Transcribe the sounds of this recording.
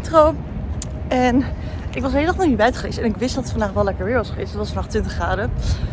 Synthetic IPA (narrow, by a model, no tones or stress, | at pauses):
trow | ɛn | ʔɪkʋɑs̬ɦejlədɔχnɔibɛjtχəʋḛjstɛnɪkʋɪstdɑtətfɑndaːχʋɛlɛkəɹʋɪːɹʋɑsχəʋḛjstdɑtʋɑsfɑndaːχtʋɪntəχaːdə